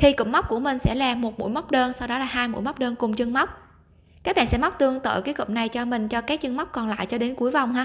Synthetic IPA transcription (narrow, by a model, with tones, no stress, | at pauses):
t̪ʰi˨˩kə̰˧˨ŋ͡mma˦˥k͡p̚ku˧˩əmï˨˩ŋ̟sɛ̰˧˥laː˨˩mo˨˩t̚mṵ˧˥jma˦˥k͡p̚ɗəː˧nsa˧wɗɔ˨˦laː˨˩ɦaː˧jmṵ˧˥jma˦˥k͡p̚ɗəː˧nkʊ˨˩ŋ͡mt͡ɕɨ˧ŋma˦˥wk͡p̚ | kaː˦˥k̚ɓa̰ː˧˨nsɛ˧˥m˦˥wk͡p̚t̪ɨ˧əŋt̪ə̰ː˧˨˩ki˨˦kɨ̰˧˨ŋ͡m̚na˨˩jt͡ɕɔ˧mï˨˩ŋ̟t͡ɕɔ˧kaː˦˥k̚t͡ɕɨ˧ŋma˦˥k͡p̚kɔ˨˩nla̰ː˧˨jt͡ɕɔ˧ɗe˨˦nku˨˦əjva˨˩wŋ͡mɦaː˧